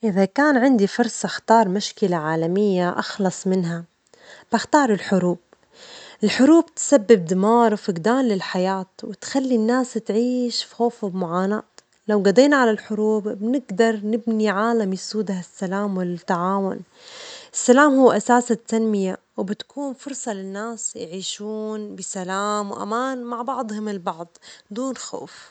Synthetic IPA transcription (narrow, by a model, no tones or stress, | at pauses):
ʔɪðakaːnʕɪnd̪ifʊɾˤsˤɑxt̪ɑːɾˤmaʃkɪlaʕaːlamɪjːaʔɑxlɑsˤmɪnɦa | b̥ɪxt̪ɑːɾˤɪlħʊɾuːb̚ | ʔɪlħʊɾuːb̚t̪sabːɪb̚d̪ɪmɑːɾˤwfɪɡd̪aːnlɪlħajaːt̪wɪt̪xalːinːaːst̪ʕiːʃfixoːfɪbmʊʕaːna̰ːt̪ | lawɡad̪eːnaʕalalħʊɾuːbbnɪɡd̪ɑɾˤnɪbniʕaːlamjɪsuːd̪ahasːalaːmwɪlt̪ːaʕaːwʊ̰n | ʔɪsːalaːmhuːʔasaːsat̪ːanmɪja | wbɪt̪kʰuːnfʊɾˤsˤɑlɪnːaːsjʕiːʃuːnbɪsalaːmwʔa̰maːnmaʕbɑʕd̪ˤhʊmɪlbɑʕd̪ˤd̪uːnxo̰ːf